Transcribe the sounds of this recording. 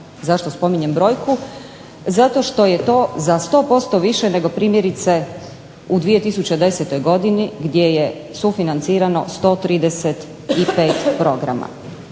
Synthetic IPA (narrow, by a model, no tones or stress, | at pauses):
zaʃt̪o̞spo̞miɲe̞mbɾo̞ːjku | zat̪o̞ʃt̪o̞je̞t̪o̞ːzast̪o̞ːpo̞st̪o̞ʋiʃene̞ɡo̞pɾiːmjeɾit̪se̞ | ud̪ʋije̞t̪isut͡ɕed̪e̞set̪o̞jɡo̞d̪iniɡd̪je̞je | sufinant̪siːɾano̞̰st̪o̞ːt̪ɾiːd̪eset̪ | ipe̞ːt̪pɾo̞ɡɾa̰ma̰